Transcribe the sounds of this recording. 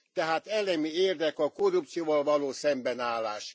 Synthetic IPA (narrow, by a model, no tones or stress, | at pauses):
t̪ɛɦaːt̪ɛlɛmieːrd̪ɛkɒkorup̚t̪sioːvolvɒloːsɛmbɛnaːlːaːʃ